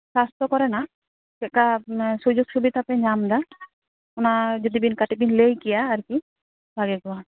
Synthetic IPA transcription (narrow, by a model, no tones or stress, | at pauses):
sast̪ɔkɔɾɛna | kɛkasud͡ʒuɡsubit̪ʰapɛɲamd̪a | ʊnad͡ʒɔd̪ibinkaʈibinlejkijaːɾki | bʱaɡɛɡɔwa